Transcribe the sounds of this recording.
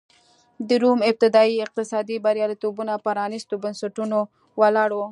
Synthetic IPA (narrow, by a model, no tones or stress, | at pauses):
d̪əɾumɪb̚t̪ɪd̪ɑiɪq̚t̪ɪsɑd̪ibaɾjɑlit̪obunapəɾɑnɪst̪obənsaʈuno | walɑɽo